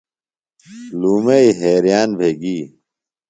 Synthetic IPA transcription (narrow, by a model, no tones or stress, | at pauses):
luːmeiɦeːɾijaːnbʱeːɡiː